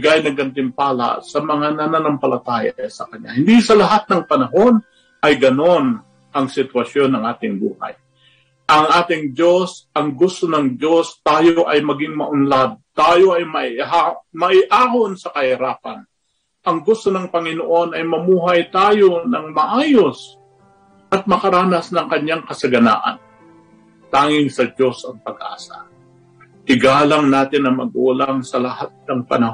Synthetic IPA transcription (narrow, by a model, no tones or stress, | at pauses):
ɡajnɐɡʔɐnt̪ɪmpaːla̰sɐmɐŋanɐnanɐmpɐlɐt̪aːja̰sɐkɐɲːa̰hɪnd̪isɐlɐɦat̪̚nɐŋpɐnɐɦo̞n | ʔɐjɡɐno̞n | ʔɐŋsɪt̪wɐsjo̞nːɐŋʔaːt̪ɪŋbṵːha̰j | ʔɐŋʔaːt̪ɪŋd͡ʒo̞sʔɐŋɡʊst̪onɐŋd͡ʒo̞st̪aːjoʔɐjmɐɡɪŋmɐʔʊnlad̪̚t̪aːjo̞ʔɐjmɐɪamɐʔɪʔaːho̞nsɐkɐhɪɾaːpɐn | ʔɐŋɡʊst̪o̞nɐŋpɐŋɪnoʔo̞nɐjmɐmuːɦɐjt̪aːjo̞nɐŋmɐʔaːjo̞s | ʔɐt̪̚mɐkɐɾaːnɐsnɐŋkɐɲːaŋkɐsɐɡɐna̰ːʔɐ̰n | t̪aːŋɪŋsɐd͡ʒo̞sɐŋpɐɡʔa̰ːsɐ̰ | t̪ɪɡaːlɐŋnaːt̪ɪnɐŋmɐ̰ɡ̚ʔuːlaŋsɐlɐhat̪̚nɐŋpɐ̰nɐ